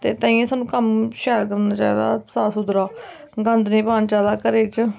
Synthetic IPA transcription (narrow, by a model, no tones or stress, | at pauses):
t̪eːt̪ãːĩːẽːsaːnũːkəmʃɛːɾkəɾnaːt͡ʃa̰ːiːd̪a̰ːsaːsʊd̪ɾaː | ɡə̃nd̪nẽːpaːnt͡ʃaːlaːkəɾeːt͡ʃ